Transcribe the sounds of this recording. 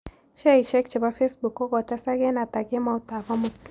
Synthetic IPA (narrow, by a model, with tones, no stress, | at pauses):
ʃɛ˦˨kʃɛ˦k̚t͡ʃɛ˨ba˦fe˦sbu˨kɔ˦ɡɔ˨ta˦sa˦ɡɛ˦na˨ta˨ɡɛ˦ma˨u˨ta˨va˦mu˨t